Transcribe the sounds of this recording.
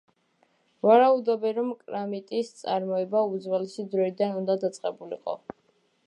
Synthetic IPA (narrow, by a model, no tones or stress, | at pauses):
vaɾaud̪ɔbɛɾɔmkʼɾamit̪ʼist̪sʼaɾmɔɛbaud̪zwɛlɛsid̪ɾɔid̪anund̪ad̪at̪sʼqʼɛbulḭqʼɔ̰